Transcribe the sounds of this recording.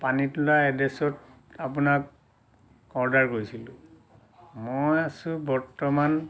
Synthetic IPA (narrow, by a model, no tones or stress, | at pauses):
panitɔlaɛdesɔt | apunakː | ɔɹdaɹkojsilʊ̃ | mojasʊ̃bɔɹtɔman